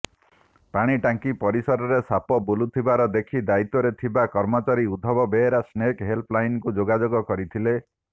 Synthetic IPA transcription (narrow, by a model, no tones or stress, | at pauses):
paɽ̃iʈaŋkipɔɾisɔɾɔɾesapɔbolut̪ʰibaɾɔd̪ekʰid̪ait̪ːɔɾet̪ʰibakɔɾmɔt͡ʃaɾiud̪ʱɔbɔbeɾasnekɦelpʰlajnkud͡ʒoɡad͡ʒoɡɔkɔɾit̪ʰile